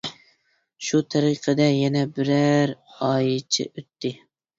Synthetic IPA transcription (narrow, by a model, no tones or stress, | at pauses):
ʃut̪ʰɑɾiqʰəd̪ɛjɛnɛbɪɾæɾɑːjɨt͡ʃʰɪ̰ʔøt̪ʰːɪ